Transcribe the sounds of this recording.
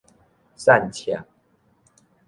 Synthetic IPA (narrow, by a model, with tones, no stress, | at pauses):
sa˥˨nt͡ɕʰja̰˨˩˦ŋ